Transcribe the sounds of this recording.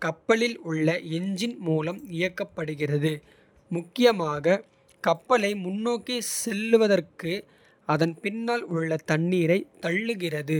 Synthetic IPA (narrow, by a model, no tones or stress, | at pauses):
kɐpːɐlɪlʊɭːɐɛɲd͡ʒɪnmuːlɐmɪjɐkːɐpːɐɽɯɣɪrɐðɯ | mʊkːɪjɐmaːɣɐ | kɐpːɐlɐɪmʊnːoːkisɛlːɯʋɐðɐrkɯ | ɐðɐnpɪnːaːlʊɭːɐt̪ɐɳːiːɾɐɪt̪ːɐɭːɯɣɪrɐðɯ